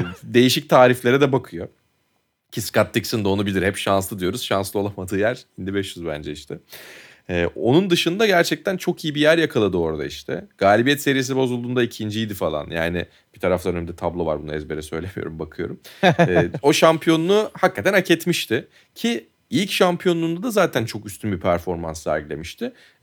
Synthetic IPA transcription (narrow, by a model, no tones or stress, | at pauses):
d̪e̞jiʃic̚t̪ʰaːɾiflʲe̞ɾɛd̪ɛbakʰɯjo̞ | cʰiskat̪ːicsɯnd̪o̞nubilʲiɾhɛpʃanslɯd̪ijo̞ɾuz̥ʃanslˠɯo̞lˠamad̪ɯːjæɾind̪ibɛʃjyzbæ̰nd͡ʒɛiʃt̪ʰɛː | o̞̰nund̪ɯʃɯnd̪aɟæɾt͡ʃʰɛc̚t̪ʰænt͡ʃʰo̞kʰijibijæɾjakʰalˠad̪ɯo̞ɾd̪a̰iʃt̪ʰɛ̰ɡ̥aːlʲibijɛt̪se̞ɾije̞s̬ibo̞zulˠuːnd̪aicʰind͡ʒijd̪ifalˠa̰nja̰ːnɪ̰ | b̥it̪ʰaɾaflˠaønɛmid̪ɛt̪ʰablˠo̞va̰ɾbunuɛzbeɾɛsø̞jlʲemijo̰ɾumbakʰɯjo̞̰ɾumɛo̞ʃampʰijo̞nunuhakːat̪ʰænacʰet̪miʃt̪ʰɪ | cʰi | ilʲcʃampʰjo̞nund̪ad̪azaːt̪ʰænt͡ʃʰo̞kyst̪ʰynbipʰæɾfo̞ɾmansːæ̰ɾɟilʲe̞miʃt̪ʰɪ